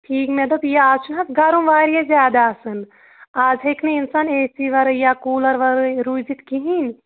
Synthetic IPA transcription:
ʈʰiːkmeɖɐbjaaːt͡ʃʰunɦɐsɡɐɾumʋaːɾijezʲaːd̪asɨn | aːd͡ʒɦekʰneinsaːneːsiʋɐɾɨjakuːlɐɾʋɐɾɨɾujd͡ʒit̪kiɦin

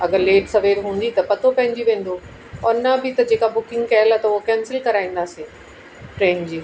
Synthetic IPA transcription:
ɐɡəɾleːʈsɐʋeːɾɦũːn̆d̪it̪ɐpɐt̪ʰopɐ̃ɦɪ̃ɲd͡ʑiʋẽːn̆d̪o | ɔːɾnɐbɪt̪ɐd͡ʑeːkabʊkɪ̃ŋɡkɐɦɪlat̪ɐʊɦokɛ̃ːnsɪlkɐɾaːĩːn̆d̪aːsiː | ʈɾɛ̃ːnd͡ʑiː

